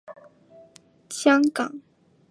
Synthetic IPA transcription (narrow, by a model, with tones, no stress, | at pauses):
ɕjɑ˥ŋkɑ˨˩˦ŋ